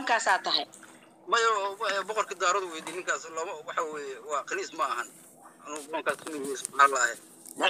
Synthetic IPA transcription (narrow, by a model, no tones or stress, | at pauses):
ŋkʰaːsaːt̪ʰɐɦɛj | mɐjɐɾɛbɔqɔrkʰid̪aːɾɔðʊwɛːd̪iːnɪŋkʰaːslɐmɐwɑħɑwɛːjɛwɑːqɪliːsmɐːɦɐn | ʔɐnʊbɔlɐŋkʰaːskʰɐmɪðɛsaːlaːhɛ